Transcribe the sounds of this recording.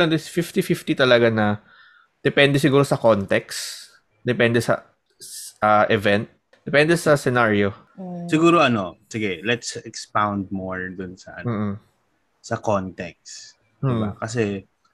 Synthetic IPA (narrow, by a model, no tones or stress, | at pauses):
lɐnd̪sfift̪ifift̪it̪ɐlɐɡanɐ | d̪̥ɛpɛnd̪ɛs̬ɪɡuːɾosɐkont̪ɛks | d̪ɛpɛnd̪ɛsɐ̰ | ʔɐʔɛvɛnt̪̚ | d̪ɛpɛnd̪ɛsɐsɛnaɹjo̞ | sɪɡuːɾoʔɐno̞sɪɡɛlɛt̪sɛkspawnd̪̚moɹd̪ʊnsɐʔɐ̰n̩ːʔ̩ | sɐkont̪ɛk̚s | d̩ɪbakɐsɛ